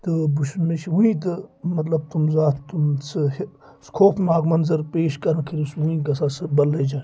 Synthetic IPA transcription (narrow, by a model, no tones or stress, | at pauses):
t̪ɨbuʃnmet͡ʃʰiuĩt̪̬ɨmɐt̪lɐb̚t̪umzaːt̪t̪umsɨh | skʰoːpʰmaːɡmɐnzɐɾpeːʃkɐɾnkʰiɾisuĩɡɐsaːsɨbɐlːed͡ʒaː